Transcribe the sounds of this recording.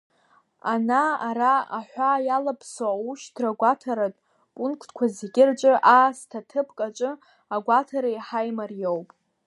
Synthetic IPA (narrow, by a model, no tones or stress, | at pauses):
anaːɾaa̰ħʷajalapʰsoauʃdʰraɡʷatʰaɾatʼ | pʼunkʰtʰkʷʰazeɡʲʼɪrt͡ʃʷʼɨʔaːstʰatʰɨpʰʼkʼat͡ʃʷʼɨ | aɡʷatʰaɾajħajmarjowpʼ